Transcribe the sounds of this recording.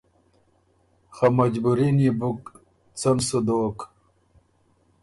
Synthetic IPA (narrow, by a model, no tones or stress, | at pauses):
xamɐd͡ʑbuɾinibuk | t͡sɐmsud̪oːk